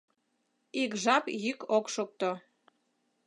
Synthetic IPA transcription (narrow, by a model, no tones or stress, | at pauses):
ikʒɑpjykokʃok̚t̪o